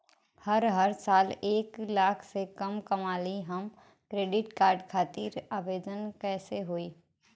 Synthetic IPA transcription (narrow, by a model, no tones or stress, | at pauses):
hɐɾɦəɾsaːleːklaːkʰsekɐmkɐmaːliɦɐm | kɾeːɖɪʈkaːɾɖkʰaːt̪iɾaːʋeːd̪ənkɛːseɦoːiː